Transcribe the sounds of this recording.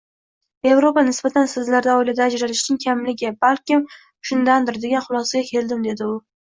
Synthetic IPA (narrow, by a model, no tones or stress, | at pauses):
e̞vɾo̞panɪsb̥at̪ʰansɪzlaɾd̪aɒɪlad̪aːd͡ʒɾaɾɪʃnɪŋkʲʰamlɪɡʲɪbalkʲɪm | ʃʊnd̪and̪ɪɾd̪eɡʲanχʊlˠɒsaɡʲakʲʰe̞ld̪ɪmd̪e̞d̪ɪʊ